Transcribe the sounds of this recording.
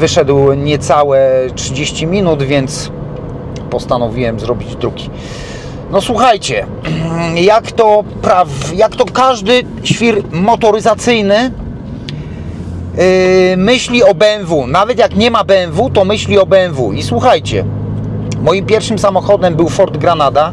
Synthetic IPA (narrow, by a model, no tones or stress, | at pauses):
vɘʂɛd̪wɲɛt̪sawɛtʂɘd͡ʑeɕt͡ɕimʲinud̪vʲjɛnt̪s | pɔst̪anɔvʲiwɛmzɾɔbʲid͡ʑd̪ɾuɡʲi̥ | nɔswuxajt͡ɕɛ | jakt̪ɔpɾavjakt̪ɔkaʐd̪ɘ | ɕfʲiɾmɔt̪ɔɾɘzat̪sɘjnɘ | mɘɕlʲiɔbɛnvunavɛt̪jakɲɛmabɛɛnvut̪ɔmɘɕlʲiɔbɛɛnvuiswuxajt͡ɕɛ̰ | mɔjimpʲjɛɾfʂɘmsamɔxɔd̪ɛmbɘwfɔɾd̪ɡɾanad̪a